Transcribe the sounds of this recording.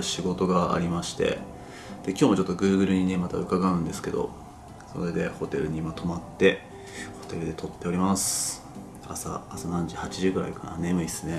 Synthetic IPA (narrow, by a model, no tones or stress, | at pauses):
ɯɕiɡo̞t̪o̞ɡaa̰ɾʲimaɕi̥t̪e̞̰ | d̪̥e̞kʲoːmo̞t͡ɕo̞t̪ːo̞ɡɯ̟ːɡɯ̟ɾɯ̟ɲ̟inemat̪a̰ɯ̟kaɡaɯ̟̃nd̪e̞sɨ̥ke̞d̪o̞̰ | so̞̰ɾe̞d̪e̞ho̞t̪e̞ɾɯ̟ɲ̟imat̪o̞mat̪ːe̞ | ho̞̥t̪e̞ɾɯ̟d̪e̞t̪o̞t̪ːe̞o̞ɾʲimasɨ̥ | asa̰ːsanãɲ̟d͡ʑihat͡ɕiʑɨːɡɯ̟ɾa̰ikana̰ne̞mɯ̟isɨne̞